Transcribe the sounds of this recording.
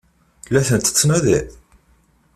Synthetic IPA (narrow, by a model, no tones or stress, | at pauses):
lːæθənt̪ə̥t͡sːnæðæ